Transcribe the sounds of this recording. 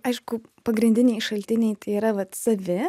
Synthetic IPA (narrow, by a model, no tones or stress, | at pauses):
ɐɪʃkʊpɐɡɾʲɪnʲd̪ʲɪnʲɛɪʃɐlʲt̪ʲɪnʲɛɪt̪ɐɪiːɾɐʋɐt̪sɐʋʲɪ